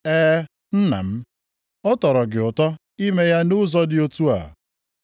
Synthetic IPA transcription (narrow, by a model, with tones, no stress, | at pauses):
ɛː˦ | n̩˦na̰˨m̩˦ | ɔ˦tɔ˨ɾɔ˨ɡɪ˨ʊ˨tɔ˦ | i˦me˦ja˦nʊ˦zɔ˦dɪ˦o˦tu˦a̰˨